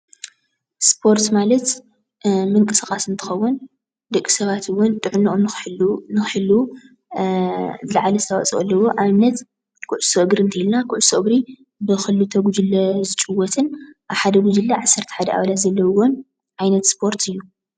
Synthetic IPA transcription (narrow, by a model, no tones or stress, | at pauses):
spʰo̞ɾt̪malɐt̪ | mɨŋkʼɨsxʼasɨnt̪ʰɨ̥xɐwːʊn | d̪ɐkʼːi̥sɐβat̪ʰɨwːɔnt̪ʼɨʕɨnːiʔomnnɨxħɨlu | zɨlɐʕalɐsɨt̪ʰɐβa̰t͡sʼḭʔɐlːɐwoʔaβnɐt̪ | kʰʊʕʊsoʔɨɡɾɨnt̪ʰɐilnakʰʊʕʊsoʔɡɾi | bɨxɨlːut̪ʰɐɡud͡ʒɨlːɐzɨt͡ʃʼɨwːɔt̪ʰɨnʔaβħad̪ɐɡud͡ʒɨlːaʕasːɐɾt̪ʰɐ̥ħad̪ɐʔa̰βɐlat̪zɐlːɐwwon | ʕajnɐt̪spʰo̞ɾt̪ʰɨjːu